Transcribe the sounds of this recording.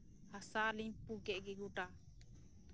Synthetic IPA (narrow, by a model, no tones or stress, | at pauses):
hasaliɲpukɛʔɡɛɡuʈa